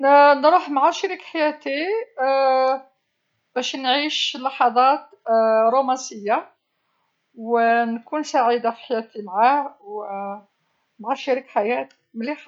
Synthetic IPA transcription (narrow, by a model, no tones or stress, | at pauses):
nɾuħmʕaʃiɾikħajæt̪i | b̥æʃnʕiʃlːɑħɑd̪ˤɑt̪ | ɾˤumæsəjːa | wnkunsaʕid̪afi̥ħajæt̪imʕahw | bʕaʃiɾikħajæt̪ | məlix